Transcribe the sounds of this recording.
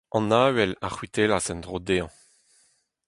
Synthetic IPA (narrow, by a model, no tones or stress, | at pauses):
ɑ̃naːwɛlaχwit̪eːlasɛ̃nd̪ʁod̪eːɑ̃